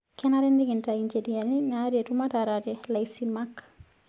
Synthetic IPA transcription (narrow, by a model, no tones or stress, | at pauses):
kɛnaɾɛndiɡintaiɲd͡ʒedijaɾninaɾetumataɾatɛlajsimak